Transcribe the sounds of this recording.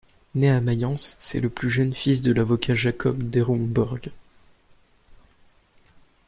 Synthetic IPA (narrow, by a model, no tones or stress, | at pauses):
neamajɑ̃sːɛ̰ləplyʒənfis̬d̪əlavɔkʲʰaʒakʰɔbd̪eʁũbɔʁɡ